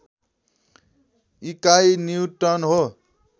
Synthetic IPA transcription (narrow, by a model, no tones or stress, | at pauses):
ikajniuʈʌnɦo